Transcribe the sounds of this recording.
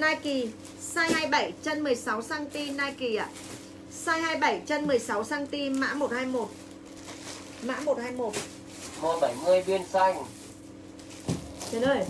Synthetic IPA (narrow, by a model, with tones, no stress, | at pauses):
naː˧jki˨˩ | saː˧jhaː˧jɓa˧˩jt͡ɕə˧nmɨ˨˩əjsa˨˦wsaː˧ŋt̪i˧naː˧jki˨˩a̰ː˧˨ | saː˧jhaː˧jɓa˧˩jt͡ɕə˧nmɨ˨˩əjsa˨˦wsaː˧ŋt̪i˧ma̰ː˧˥mo˨˩t̚haː˧jmo˨˩t̚ | ma̰ː˧˥mo˨˩t̚haː˧jmo˨˩t̚ | mo˨˩t̚ɓa˧˩jŋɨ˧əjɓi˧ənsa˧jŋ | t͡ɕə˨˦nəː˨˩